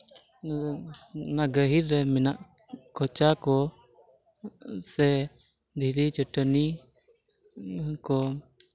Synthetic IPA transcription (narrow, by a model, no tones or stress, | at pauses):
naɡəɦiɾɾɛmɛnaʔkʰɔt͡ʃakɔ | sɛ | d̪ʱiɾit͡ʃəʈəni | kɔ